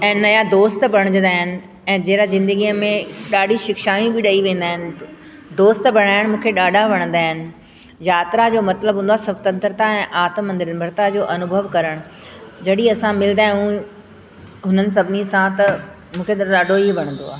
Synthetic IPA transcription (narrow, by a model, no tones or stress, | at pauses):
ɛ̃ːnɐjad̪oːst̪bɐɽ̃d͡ʑə̃nd̪aːɦɪnɪ̆ | ɛ̃ːd͡ʑeɦɾazɪ̃nd̪əɡiəmẽɗaːɖʱiʃɪkʃaːʋĩbɪɗɐiʋẽːnd̪aːɦɪnɪ̆ | d̪oːst̪bɐɽ̃aːɪɽ̃mũːkʰeɗaːɖʱaʋɐɽ̃ə̃nd̪aːɦɪnɪ̆ | jaːt̪ɾad͡ʑoːmɐt̪ləbʱɦũːnd̪oaːsɐbt̪ə̃nt̪ɾt̪aɛ̃ːʔaːt̪mːɐ̃nd̪ɪɾəbʱɐɾt̪ad͡ʑoːʔɐnʊbʱəʋkɐɾəɽ̃ | d͡ʑɐɗiɐsãmɪlnd̪aːɦɪ̃ũ | ɦʊnənɪ̆s̬ɐbʱnisãt̪ɐ | mũːkʰed̪ɐɾɗaːɖʱoibɐɽ̃ə̃nd̪o̰a̰ː